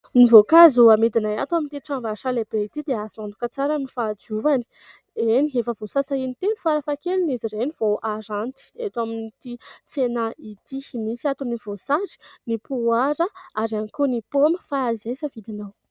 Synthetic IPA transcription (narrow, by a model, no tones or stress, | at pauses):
nivokazuamid̪inajat̪uamint̪iʈ͡ʂãvaʃaleb̥eit̪id̪easand̪ukət͡saɾənifad͡ʒuvani̥ | eniɦefəvosasainit̪enifaɾafakeliniziɾeniv̥oʔaɾant̪i̥et̪uaminit̪it͡senait̪imisiat̪univ̥osaɾi̥nipuaɾəaɾanikunipoməfaazesəvid̪inaw